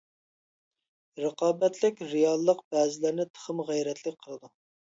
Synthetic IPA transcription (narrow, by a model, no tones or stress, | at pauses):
ɾəqɑːbɛt̪lɪkʲɾijɑlˠːəqb̥ɛːzɪlɪɾnɪt̪ʰə̥χəmʁæjɾɛt̪ʰlɪkʲqʰəlˠɨd̪u